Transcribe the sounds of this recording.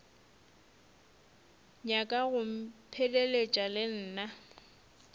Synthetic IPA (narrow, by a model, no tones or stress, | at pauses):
ɲakʼaɣʊm̩pʰedelet͡ʃʼalɪn̩ːna